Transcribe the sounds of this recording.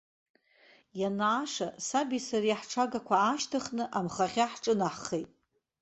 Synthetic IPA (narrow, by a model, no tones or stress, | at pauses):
janaːʂasabisariħʈ͡ʂʰaɡakʷʰaːʃtʰaχnɨʔamχaʁʲaħʈ͡ʂʼɨnaħχejtʼ